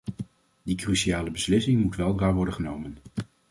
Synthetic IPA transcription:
dikryʃiaːləbəslɪsɪŋmutʋɛlˠaːɹʋɔɹdənχənowmən

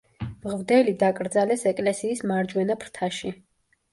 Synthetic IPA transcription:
mʁvd̪ɛlid̪akʼɾd̪zalɛsɛkʼlɛsiːsmaɾd͡ʒwɛnapʰɾt̪ʰaʃi

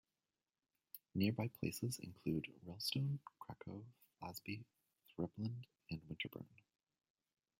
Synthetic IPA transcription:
nɪɹbaɪpʰl̥ḛɪsɨzɨ̰̃nkʰl̥ʉdɹɛlˠstõʊ̃nkʰɹ̥ækʰoʊflæzbi | θɹɪblə̃nd | ɨ̃nwɪ̃ntʰə˞bɜ̰̃˞n

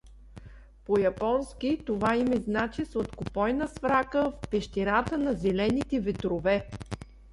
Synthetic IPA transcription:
pojɐpɔnskʲit̪ovaimɛznat͡ʃisot̪kopɔjnəsfɾakəfpɛʃt̪iɾat̪ənɐzɛlɛnit̪ɛvɛt̪ɾovɛ

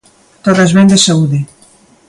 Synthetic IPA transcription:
t̪oðɐzβend̪esauðɪ

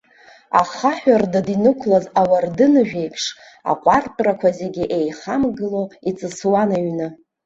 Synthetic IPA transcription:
aχaħᶣardadinɨkʷʰlazawardɨnɨʒᶣe̞jpʰʂ | a̰qʷʼarpʰʼrakʷʰazeɡʲiʔejχamɡɨloit͡sʼɨswanaɥnɨ

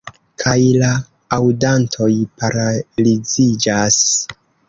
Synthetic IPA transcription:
kʰajla | awdantʰo̞jpaɾalid͡zid͡ʒas

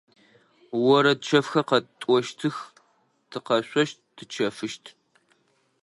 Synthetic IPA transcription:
wɔɾɐd̚t͡ʃʰɐfxɐqɐtʼʷɔʃtʰɨx | tʰɨqɐɕʷʼɔʃt̚dʰɨt͡ʃʰɐfɨʃtʰ

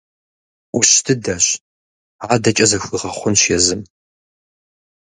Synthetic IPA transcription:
uɕtʰɨdɐɕ | aːdɐt͡ʃʼɐzɐxɨʁɐχʷʊnɕjɛzɨm

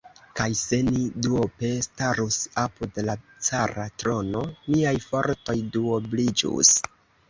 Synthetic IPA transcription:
kajse̞niduope̞staɾusapudlat͡saɾatɾo̞no̞miajfo̞ɾto̞jduoblid͡ʒṵs

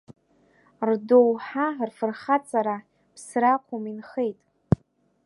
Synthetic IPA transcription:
rdowħarfɨrχat͡sʼaɾa | pʰsraqʷʰominχejtʼ

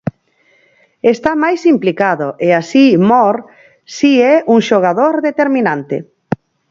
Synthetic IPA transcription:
est̪amajsimplikaðʊʔeasimɔɾ | siɛʔuŋʃoɣ̞aðoɾðet̪eɾminant̪ɪ̰

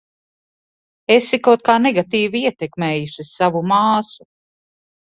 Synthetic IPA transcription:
esikawt̪̚kaːnɛɡat̪iːviiɛt̪ɛkmɛːjusissavumaːsu

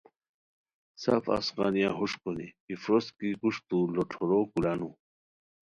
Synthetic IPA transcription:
sa̰fa̰sqɑ̰nijaɦuʂkonḭifɾoskikuʂt̪uloʈ͡ʂʰoɾokulanu

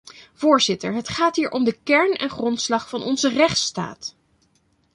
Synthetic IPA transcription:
v̥ʊːɹzɪtəɹɦətχaːtɦiːɹʔɔmdəkɛɹnɛ̰nχrɔntslɑχfɑnʔɔnzərɛχtsta̰ːt

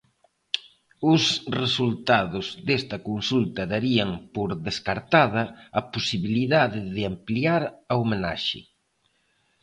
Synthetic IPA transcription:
ʊsresult̪aðʊzðest̪ɐkonsult̪ɐðaɾiɐŋpoɾðeskaɾt̪að̞ɐɐposiβiliðaðɪðɪampliaɾɐomena̰ʃɪ̰

